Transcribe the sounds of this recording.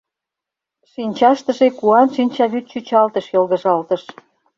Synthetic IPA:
ʃinʲt͡ɕɑʃt̪ə̆ʒekuɑnʃinʲt͡ɕɑβyt̪̚t͡ɕyt͡ɕɑlt̪ə̆ʃjolɣə̆ʒɑlt̪əʃ

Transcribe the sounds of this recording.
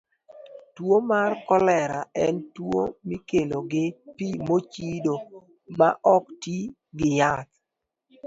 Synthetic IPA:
twomarkɔlɛɾaɛntwo̰mikeloɡɪpimot͡ʃido | ma̰ʔɔkti | ɡɪjat

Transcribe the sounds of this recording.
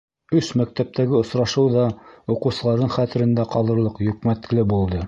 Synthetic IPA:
ɵʃmæk̚t̪æp̚t̪ʰæɡɘŏsɾɑʃɤwðɑuqɤ̆wsɤ̆lˠɑɾðɤɴχæt̪ɘ̆ɾɘ̆nd̪æqɑlˠɤ̆ɾlˠɤqjɵ̆kmæt̪lɘbulˠd̪ɤ

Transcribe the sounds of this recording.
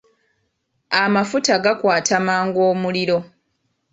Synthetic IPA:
amafutaɡakwaːtamaːŋɡo̞ːmuliɾo̞

